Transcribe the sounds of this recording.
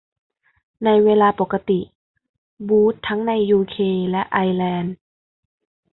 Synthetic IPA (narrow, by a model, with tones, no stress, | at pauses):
na˧jweː˧laː˧po˨˩kːa˧t̪i˨˩ | buː˦˥t̪ʰːa˦˥ŋna˧jːuː˧kʰeː˧lɛ˦˥ʔa˧jlɛː˧n